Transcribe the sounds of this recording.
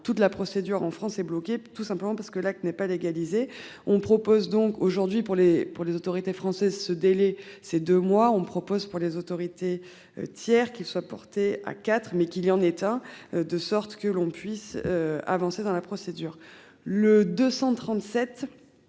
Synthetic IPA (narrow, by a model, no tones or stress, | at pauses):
t̪ut̪lapχɔsed̪yʁɑ̃fχɑ̃sɛblɔket̪usɛ̃pləmɑ̃paʁsə̥kəlak̚t̪nɛpaleɡalize | ɔ̃pχɔpozd̪ɔ̃koʒuʁd̪ɥipuʁlepuʁlezot̪ɔʁit̪efχɑ̃sɛzsəd̪elɛsed̪ømwaɔ̃pχɔpozpuʁlezot̪ɔʁit̪ḛ | t̪jɛʁkʲilswapɔʁt̪ea̰kat̪χmɛkʲilijɑ̃net̪ɛ̃d̪əsɔʁt̪kəlɔ̃pɥisøa̰vɑ̃sed̪ɑ̃lapχɔsed̪yːʁ | ləd̪øsɑ̃t̪χɑ̃t̪sɛt̪